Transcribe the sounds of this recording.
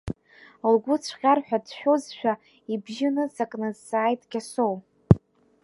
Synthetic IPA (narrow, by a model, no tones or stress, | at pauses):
lɡʷʊt͡sʷʰqʲarħʷᶣadʃᶣʷozʃᶣa | ibʒɪnɨzakʼnɨzsaːjtʼɡʲasow